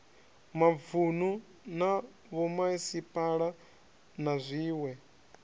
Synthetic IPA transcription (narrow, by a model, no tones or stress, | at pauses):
mavunu | na | βɔmaisipʼaɺa | nazʷiːwɛ